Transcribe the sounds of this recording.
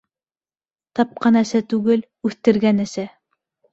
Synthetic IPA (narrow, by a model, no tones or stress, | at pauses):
t̪ɑp̚qɑnæsæt̪ʉɡɘl | ʉθt̪ɘ̆ɾɡænæsæ